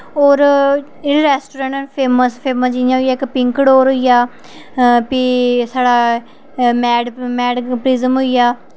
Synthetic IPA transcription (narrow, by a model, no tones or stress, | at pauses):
oːɾ | ɪɾɛːsʈoːɾə̃ɳʈːnpʰeːməspʰeːməsd͡ʒɪjãːɦoːijaːɪkpɪŋkɽoːɾɦoːijaː | piːsaːɽaː | mɛːɖmɛːɖpɾizəmɦoijaː